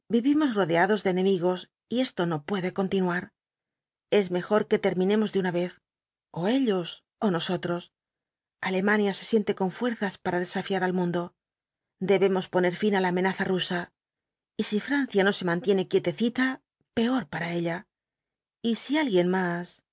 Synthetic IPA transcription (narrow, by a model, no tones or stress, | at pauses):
biβimo̞zro̞ðeaðo̞zðeːne̞miɣo̞s | ie̞st̪o̞no̞pwe̞ðe̞ko̞nt̪inuaɾ | e̞zme̞xo̞ɾke̞t̪e̞ɾmĩne̞mo̞zðunaβe̞θ | o̞e̞ʎo̞s | o̞no̞so̞t̪ɾo̞s | ale̞manjase̞sje̞nt̪e̞ko̞ɱfwe̞ɾθaspaɾaðe̞safjaɾalmũnd̪o̞ | d̪e̞βe̞mo̞spo̞ne̞ɾfinalaːme̞naθarusa | isifɾan̟θjano̞se̞mãnt̪je̞ne̞kje̞t̪e̞θit̪a | pe̞o̞ɾpaɾae̞ʎa | isialɣje̞nmas